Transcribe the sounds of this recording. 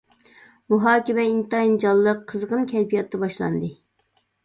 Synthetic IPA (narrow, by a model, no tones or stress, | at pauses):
muɦɑːkʲɪmɛint̪ɑind͡ʒɑlˠːəqʰːəzʁənkʲʰɛjpijɑt̪ːɑbɑʃlˠɑ̰nd̪ɨ